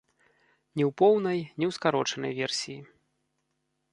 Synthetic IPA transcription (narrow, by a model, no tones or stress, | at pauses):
nʲɛwpɔwnɐjnʲɛwskaɾɔt͡ʂɐnɐ̰jvʲɛrsʲiji